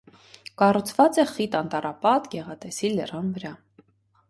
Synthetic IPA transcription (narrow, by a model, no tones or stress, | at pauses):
kɑrut͡sʰvɑt͡sɛχit̪ɑnt̪ɑɾɑpɑt̪ɡɛʁɑt̪ɛsilərɑnvəɾɑ